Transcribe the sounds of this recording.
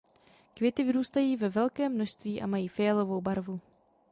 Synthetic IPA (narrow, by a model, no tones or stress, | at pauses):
kvjɛt̪ɪvɪɾuːst̪ajiːvɛvɛlkɛːmːnoʃst̪viːʔa̰majiːfɛjɛlovo̞wbaɾvu